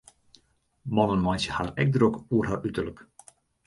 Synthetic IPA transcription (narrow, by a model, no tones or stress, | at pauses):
mɔnənmɔjnsjəhaːrɛ̰k̚drokuərɦaːrytərlək